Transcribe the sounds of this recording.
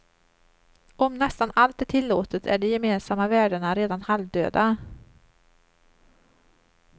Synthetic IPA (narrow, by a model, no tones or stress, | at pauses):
ɔmnɛst̪analt̪̚ɛʈʰɪlːoːt̪ət̪ʰæ̰ɖɛjɛmeːnsamːavæːɖəɳaɾeːd̪anhalvd̪ø̰ːd̪a